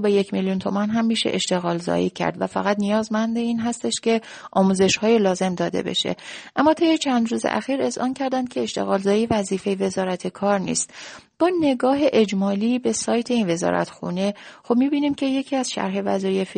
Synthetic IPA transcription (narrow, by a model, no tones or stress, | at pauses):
bejecʰmeljunt̪ʰo̞mænɦæmːiːʃḛʔeʃt̪e̞ɣɒːlzɒ̰ːjḭcʰæ̰ɾd̪væfæɣæt̪nijɒːzmænd̪eiːnɦæst̪e̞ʃcʰe̞ | ʔɒːmuːze̞ʃhɒːjelɒːze̞md̪ɒːd̪e̞̰be̞̰ʃḛʔæmːɒːt̪ʰejet͡ʃʰænd̪ɾuːzḛʔæ̰xiːɾe̞zʔɒːncʰæɾd̪ænd̪̥kʲʰe̞eʃt̪e̞̰ɣɒːlzɒːjievæziːfe̞jeve̞zɒːɾæt̪ʰe̞kʰɒːɾnḭːst̪ | b̥ɒːne̞ɡɒːɦe̞ʔed͡ʒmɒːliːbe̞sɒːjt̪ʰe̞iːnve̞zɒ̰ːɾʔæ̰t̪xṵne̞xo̞b̚miːbiːniːmcʰe̞je̞cʰiːæzʃæ̰ɾɦe̞væ̰zɒːjefi